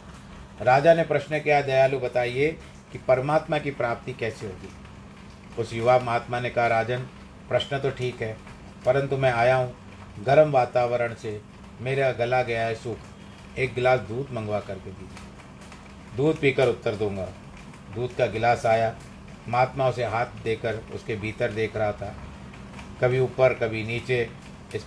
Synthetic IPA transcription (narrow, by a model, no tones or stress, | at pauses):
ɾaːd͡ʒanepɾɐʃnəkiad̪ɐjaːlubɐt̪aːie | kipɐɾmaːt̪makipɾaːp̚t̪ikɛːseɦoːɡḭː | ʊsjʊʋaːmaːt̪manekɐɦaɾaːd͡ʒən | pɾɐʃnət̪oʈʰiːkɦɛː | pɐɾə̃nt̪umɛ̃aːjaːɦũ | ɡɐɾəmʋaːt̪aːʋəɾəɽ̃se | meːɾeɡɐlaɡɐjaɦɛsʊkʰ | eːk̚ɡɪlaːsd̪uːd̪mɐ̃ŋɡʋakɐɾked̪iːd͡ʒe | d̪uːd̪̚piːkəɾʊt̪ːəɾd̪ũːŋɡa̰ː | d̪uːd̪kaɡɪlaːsaːja | maːt̪maʊseɦaːt̪̚ʰd̪eːkəɾʊ̰skebʱiːt̪əɾd̪eːkʰɾɐɦat̪ʰaː | kɐbʱiuːpəɾkɐbʱiniːt͡ʃe | ɪs